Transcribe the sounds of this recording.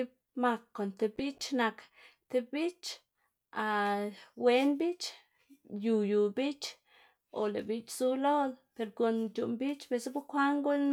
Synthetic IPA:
i˦ | ma˧kːo˨nt̪e˧bi˦t͡ʃna˧k | t̪e˧bi˦t͡ʃ | a˧˨we˧˦nbi˦t͡ʃ | ju˨ju˨bi˦t͡ʃ | o̰˨le˨bi˧t͡ʃzu˦lo˦d̪pe˨ɾɡo˧nd͡ʒu˨ʔmbi˦t͡ʃbe˧sbu˦kʷa˦ŋɡu˦

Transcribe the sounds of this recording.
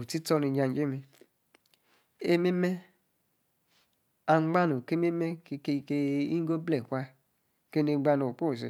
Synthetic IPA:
u˨ti˦tɔ˦ni˧d͡ʒa˧n˦d͡ʒe˦mi˧ | e˦me˦me˦ | a˧ŋ͡mɡ͡ba˦nu˨ke˦me˦me˦˧kke˧i˦ŋ˦ɡo˦blɛ˨kʷa˧ | ke˦ne˧ɡ͡ba˧no˨po˦˨s̬ḛ˨

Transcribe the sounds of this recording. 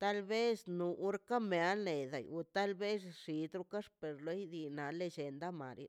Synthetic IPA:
t̪a˦lbe˦snu˨u˦ɾka˦me˨a˦le˨d̪a̰˨ju˧t̪a˦lbe˦sʂi˨d̪ɾu˦ka˦ʂpe˨ɾlo˧˦jd̪i˧na˨le˧d͡ʒe˨nd̪a˦ma̰˨ɾji˦

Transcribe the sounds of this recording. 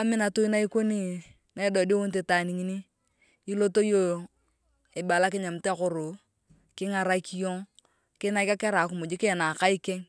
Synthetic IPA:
a˨˦mɪ˦na˨tu˦i˦na˦i˦ko˦ni˨ | na˨i˦dɔ˨di˦wo˦n˦t̬e˨ta˨ni˨ŋi˦niː˦ | lo˦to˦jo˦ | ɪ˨ba˨la˦kɪ˦ɲa˨m̩˨te˦kʊ˨ɾʊ˨ | kɪ˦ŋa˨ɾa˦ki˦jo˦ŋ | kɪ˦na˦ka˦kɛ˦ɾa˨k̬ʊ˨mʊ˨d͡ʒi˦kɪ˦ɛ˨na˨ka˦i˦kɛ˦ŋ

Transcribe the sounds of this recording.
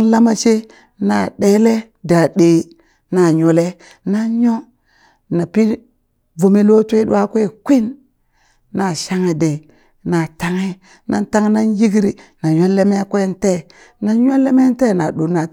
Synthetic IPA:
la˦ma˦t͡ʃe˦ | na˨ɗe˦le˦ | da˨ɗe˨ | na˨ɲo˨le˦ | na˦ɲo˦ | na˨pi˦ | vo˨mi˦lo˦tʷe˦ɗṵ˦a˦kʷe˦˨kʷi˦n | na˨ʃa˦ŋe˨de˨ | na˨ta˦ŋe˦ | na̰˦nta˦ŋ˦na˦nji˦ɡɾi˨na˨ɲo˦le˦me˦kʷe˦n˦te˦˨ | na˦ɲo˦le˦me˦n˦te˦˨na˨ɗo˨na˨

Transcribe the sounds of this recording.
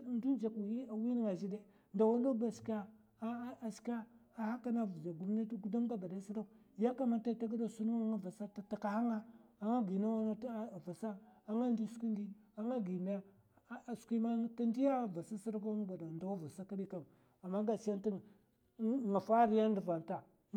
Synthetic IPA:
ndu˦d͡ʒa˨ka˨wi˦ni˦ŋa˨d͡ʒi˦de˦ | nda˨wa˦nda˦ba˨ska˦ | a˨ska˦a˨ha˦ka˦na˦vu˨d͡ʒa˨ɡu˦m˦na˦ɡu˦da˦mɡa˦ba˨da˦si˦ɾa˦˨ | ja˦ka˦ma˦ɾta˦ta˦ɡa˦da˦˨su˦nu˦ŋa˦ŋa˦va˨sa˦ta˦ta˨ka˨ha˦ŋa˦a˨ŋa˦ɡi˨na˦wa˦na˦˨va˨sa˦a˨ŋa˦ndi˦skʷi˦ndi˦a˨ŋa˦ɡi˨ma˦a˦˨ | skʷi˦ma˦ta˦ndi˦ja˦˨va˨sa˦si˦ɾa˦ka˦ba˨da˨nda˨wa˦va˨sa˦ka˦ɗi˦ka˦m | a˨mːa˦ŋɡa˨si˦ja˦n˦ti˦˨ | ŋa˨fa˦ɾi˦ja˦n˦di˨va˨nta˨

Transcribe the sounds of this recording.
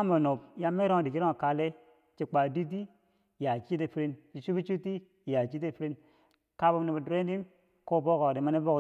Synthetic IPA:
mo˨no˨b̚ja˦me˦ɾo˦˨di˨ki˦ɾo˦˨ka˨le˦ | t͡ʃi˨k͡pa˨di˦t̬i˦˨ | ja˨t͡ʃi˦t̬e˨fi˦ɾi˦nt͡ʃi˨t͡ʃu˦bi˦t͡ʃu˦ti˦˨ | ja˨t͡ʃi˦te˦fi˦ɾi˦n | ka˦bo˦ne˨ba˨dɾe˦di˦m | ko˦˨bo˦ko˨di˨ma˦ne˦bo˦k

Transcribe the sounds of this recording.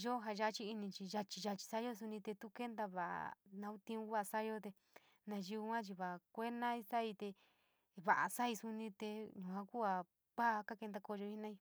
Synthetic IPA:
ʒo˦ɦa˧ʒa˧˦˧t͡ʃi˦i˧nĩ˧t͡ʃi˧ʒa˧t͡ʃi˧ʒa˧t͡ʃi̥˧sa˦o˦˧s̬u˧nĩ˧t̪e˧t̪u˦ke˦nd̪a˧βa˨ʔa̰˨nã˧u˦t̪ĩ˧ũ˧˦βa˦˧sa˦jo˦t̪e˧ | nã˧ʒi˧u˧kʷã˦t͡ʃi˧βa˨a˨kʷe˦nã˦i˦˧sa˦i˧t̪e˧ | βa˨ʔa˨sa˦i˧su˧nĩ˧t̪e˧ɲũ˨ã˧ku˦a˧ | ka˦˧ka˦ke˧nd̪a˧ko˧ʒo˧i˧˦nã˦i˧

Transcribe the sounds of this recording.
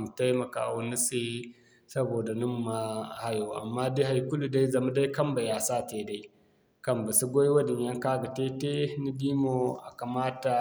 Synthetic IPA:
m˨ta˦jmɐ˨ka̰ː˨wɐ˦ni˦sʼe˦ | sɐ˦boː˨da˨nu˦mː˨a˦ha˦joː˨ʔa̰˨mːaː˦di˦ha˨jkʊ˦lu˨da˦jzɐ˨ma˦da˦jkɐ˦mba˨jaː˨saː˦teː˨da˦j | kɐ˦mba˨su˦ɡʷo˦jwɐ˦dɪ˨ɲjɐ˦ŋkaː˦ɡa˨teː˦te˦ni˦diː˦mo˦˨a˨ka˨maː˦ta˨

